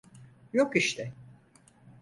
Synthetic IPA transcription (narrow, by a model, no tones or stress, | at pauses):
jokiʃt̪ʰɛ